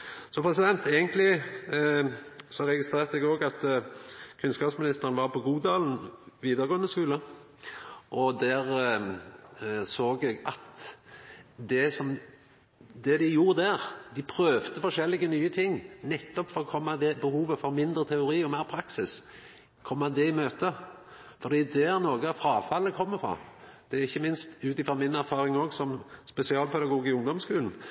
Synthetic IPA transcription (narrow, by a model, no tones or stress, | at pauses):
sɔpʰɾɛsɪd̪ɛnt̪eːɡənt̪lɪ | sɔɾɛɡɪst̪ɾeːʁt̪əɛɡoːɡɑt̪ | kʰʉnskɑːpsmɪnɪst̪əɾənʋɑɾpʰɔɡuːd̪ɑːln̩ʋiːd̪əɾɡoːənəskʉːlə | ʔɔd̪æɾ | soːɡɛɡɑ̰t̪ | d̪ɛsɔm | d̪ɛd̪ɪjuːɾəd̪æɾd̪ɪpʰɾøːʋt̪əfɔʂɛlːɪɡənyːət̪ʰɪŋːnɛt̪ːɔpfɔɾʁɔkʰɔmːɑd̪ɛbəhuːʋəfɔɾmɪnd̪ɾət̪ʰɛʊɾiːɔmæɪɾpʰɾɑksɪs | kʰɔmːɑd̪ɛɪmøːt̪ə | fɔɾd̪iːd̪ɛɾnoːɡəfɾɑːfɑlːəkʰɔmːəfɾɑ̰ː | d̪̥ɛɪçːəmɪnst̪ʉːt̪ɪfɾɑmɪnæɾfɑːɾɪŋoːɡsɔmspɛsɪɑːlpʰɛd̪ɑɡuːɡɪʊŋd̪ɔmskʉːln̩